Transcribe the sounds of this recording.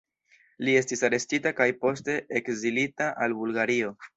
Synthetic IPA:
lie̞stisaɾe̞stitakajpo̞ste̞ekzilitaʔalbulɡaɾio̞

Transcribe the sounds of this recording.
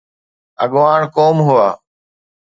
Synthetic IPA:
ə̰ɠʋaːɳkoːmɦʊaː

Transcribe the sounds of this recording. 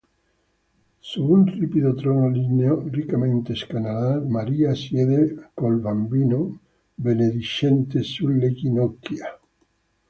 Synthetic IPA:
suunripiðot̪ɾɔnalineorikament̪eskanalamaɾiasjeðekolbambino | beneðiʃent̪esulːekinɔkːja

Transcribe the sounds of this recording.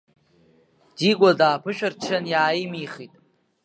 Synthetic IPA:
diɡʷʼadaːpʰɨʃᶣart͡ʃʰanjaːjimiχitʼ

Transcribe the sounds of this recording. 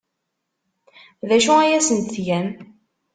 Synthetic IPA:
ðæʃuæjæsənt̪θʝæn

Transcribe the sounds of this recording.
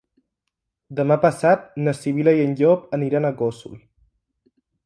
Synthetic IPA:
d̪əmapəsat̪̚nəsiβilajənʎopəniɾanəɣosṵl

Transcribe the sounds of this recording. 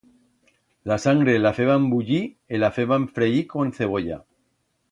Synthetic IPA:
lasaŋɡɾe̞lafeβambuʎi | elafeβaɱfɾeiko̞n̟θe̞β̞o̞ʎa̰

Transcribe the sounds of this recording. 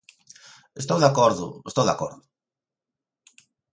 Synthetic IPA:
est̪owðakoɾðʊ̰est̪owða̰ko̰ɾðʊ

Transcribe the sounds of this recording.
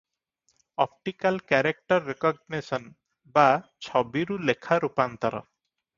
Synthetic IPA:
ɔp̚ʈikalkɛɾek̚ʈɔɾːekɔɡnesɔn | bat͡ʃʰɔbiɾulekʰaɾupant̪ɔɾɔ̰

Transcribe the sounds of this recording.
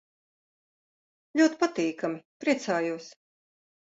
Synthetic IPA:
lʲuɔt̪pat̪iːkamɪpɾiɛt̪saːjuɔs

